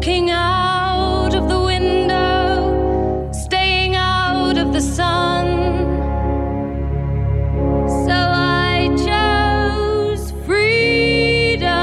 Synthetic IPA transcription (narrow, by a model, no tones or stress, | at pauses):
kɪ̃ŋaʊɾʌvðəwɪ̃ndoʊ | steɪɪ̃ŋaʊɾʌvðɨsʌ̃n | soʊaɪt͡ʃʰoʊz̥fɹi | ɾə